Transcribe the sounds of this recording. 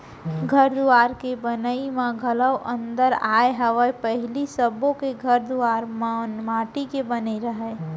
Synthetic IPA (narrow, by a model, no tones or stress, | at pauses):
ɡʱəɾd̪uaɾkebənəimaɡʱələwʔə̃nd̪əɾaeɦəʋəepəɦɪlisəbõkeɡʱəɾd̪uaɾmnmaʈikebəniɾəɦɛ